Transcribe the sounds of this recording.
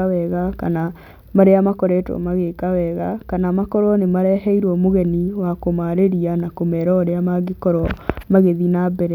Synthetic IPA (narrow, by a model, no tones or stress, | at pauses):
awɛɣaka̰na | maɾeamakɔɾɛtɔ̰maɣekawɛɣakanamakɔɾɔnemaɾɛhɛiɾɔmoɣɛniwakomaɾeɾianakomɛɾɔːɾeamaɡekɔɾɔmaɣeðinabɛɾɛ